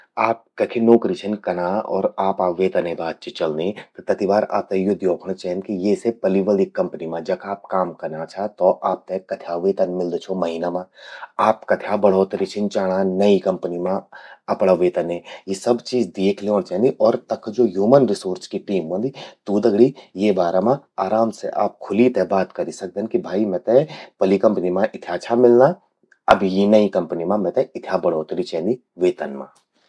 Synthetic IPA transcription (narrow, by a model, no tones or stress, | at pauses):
aːp̚kɐkʰenoːkɾit͡ʃʰənkɐnaɔ̰ːɾaːpaʋeːt̪ɐnẽbaːd̪̚t͡ʃit͡ʃɐlnẽt̪t̪ɐt̪iʋaːɾa̰ːp̚t̪ejʊd̪ʱjoːkʰɽ̃t͡ʃɛɦnkijesepɐliʋəlikːɐ̃mpənimãd͡ʒɐkaːp̚kaːmkɐnat͡ʃʰat̪oʔaːp̚t̪ekɐt̪ʰjaːʋeːt̪ənmɪld̪t͡ʃʰomɐɦinamãːaːpkɐt̪ʰjabɐɽ̤oːt̪ɾit͡ʃʰɪnt͡ʃaːɽ̃anɐikɐ̃mpənimãɐpɽaʋeːt̪ənẽjesɐbt͡ʃiːd͡ʒd̪eːkʰleɔːnt͡ʃɛ̃ːnd̪iʔɔːɾt̪ɐkʰd͡ʒoːɦjuːmənɾɪsoːɾt͡ʃkiʈiːmɦuə̃nd̪it̪uːd̪ɐɡɽijeːbaːɾamã | aːɾaːmsḛʔa̰ːp̚kʰʊlit̪ebaːt̪kɐɾisɐk̚d̪ẽnkibʱaːimɛ̃t̪epɐlikɐ̃mpnimãʔɪt̪ʰjaːt͡ʃʰamɪlna | ɐ̰bjinɐikɐ̃mpnimãmɛ̃t̪ẽɪt̪ʰjabɐɽ̤oːt̪ɾit͡ʃʰɛ̃ːnd̪i | ʋeːt̪ənmã̰ː